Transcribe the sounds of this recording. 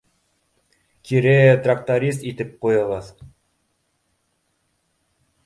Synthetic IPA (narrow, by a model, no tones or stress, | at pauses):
kʲiɾɘt̪rak̚t̪aɾʲis̬t̪it̪ɘp̚qujɤ̆ʁɤð